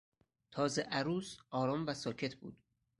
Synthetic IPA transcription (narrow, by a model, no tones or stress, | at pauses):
t̪ʰɒːzeʔæɾuːsɒːɾɒːmvæsɒːcʰe̞t̪ʰbṵːd̪̥̚